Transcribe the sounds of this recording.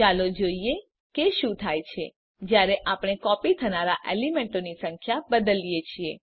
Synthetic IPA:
alod͡ʒoie | keʃũt̪ʰajt͡ʃʰe | d͡ʒjaɾeʔapɽ̃ekɔpit̪ʰənaɾaʔelimeɳʈonisəŋkʰjabəd̪əlijet͡ʃʰie

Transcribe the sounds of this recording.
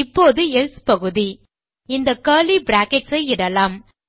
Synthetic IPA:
ɪpːoːðɯɛlspɐɣɯði | ɪnd̪ɐkɐːlibɾaːkɛʈsɐɪɪɽɐlaːm

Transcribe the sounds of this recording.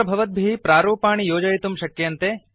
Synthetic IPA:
ɐbʱɐʋɐt̪̚bʱipɾaːɾuːpaːɳijoːd͡ʒɐjit̪umʃɐkːjeɐnt̪eː

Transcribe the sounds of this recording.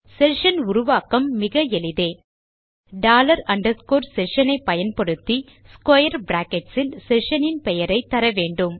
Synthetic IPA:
sɛʂɐnʊɾʊʋaːkɐmːɪɣɐɛlɪðeː | ɖaːlɐɾɐɳɖɐɾskoːɾsɛʂɐnɐɪpːɐjɐnpɐɽɯt̪ːi | skɐjɐɾbɾaːkɛʈsɪlsɛʂɐnɪnpɛjɐɾɐɪt̪ːɐɾɐʋeːɳɖɯm

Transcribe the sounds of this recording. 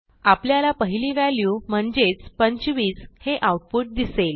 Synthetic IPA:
apljalapəɦiliːʋæljuːm̤əɳd͡zet͡spəɲt͡ɕʋiːt͡sheʔauʈ̚puʈ̚d̪isel

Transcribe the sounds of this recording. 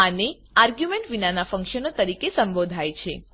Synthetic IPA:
ane | aɾɡjumẽɳʈʋinanafə̃ŋkʃənot̪əɾikesə̃mbod̪ʱajt͡ʃʰe

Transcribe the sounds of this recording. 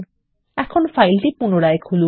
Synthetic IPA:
ɛkʰonfajlʈipunoɾaekʰulu

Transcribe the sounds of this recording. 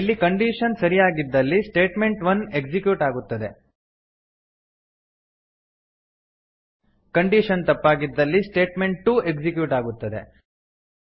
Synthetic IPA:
ilːikɐɳɖiʂɐnsɐɾijaːɡid̪ːɐlːisʈe̞ːʈme̞ɳʈʋɐne̞ɡd͡ʒikjuʈaːɡut̪ːɐd̪e̞ | kɐɳɖiʃɐnt̪ɐpːaːɡid̪ːɐlːisʈe̞ːʈme̞ɳʈʈːuːe̞ɡd͡ʒikjuːʈaːɡut̪ːɐd̪e̞̰

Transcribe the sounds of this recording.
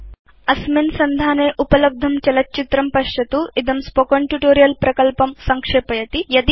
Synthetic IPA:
ɐsmensɐnd̪ʱaːneːʔupɐlɐb̚d̪ʱɐmt͡ʃɐlɐt̚ːt͡ʃit̪ɾɐmpɐʃjɐt̪uid̪ɐmspokoɳʈjuʈoːɾijɐlpɾɐkɐlpɐmsɐŋkʂeːpɐjɐt̪ijɐd̪

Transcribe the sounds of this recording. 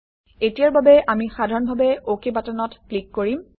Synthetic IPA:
etijaɹbabɛʔamixadʱaɹɔnbʱabɛokebatanɔtklikːoɹim

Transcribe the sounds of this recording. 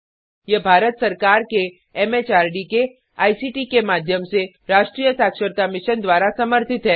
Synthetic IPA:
jebʱaːɾət̪sɐɾkaːɾke | ɛmet͡ʃaːɾɖike | aːisiːʈikemaːd̪ʱjəmse | ɾaːʃʈɾijəsaːkʃəɾt̪amɪʃənd̪ʋaːɾasɐməɾt̪ʰɪt̪ɦɛː

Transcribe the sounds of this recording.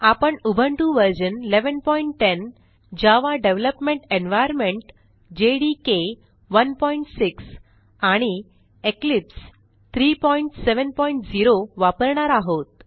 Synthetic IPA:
apəɳubʱəɳʈuʋəɾd͡ʑənleʋənpɔiɳʈːen | d͡ʑaʋaɖeʋləpmẽɳʈenʋajəɾmeɳʈ | d͡ʑeɽike | ʋənpɔiɳʈsiks | aɽ̃i | eklips | t̪ʰɾipɔiɳʈseʋənpɔiɳʈd͡ziɾoʋapəɾɳaɾaɦot̪̚

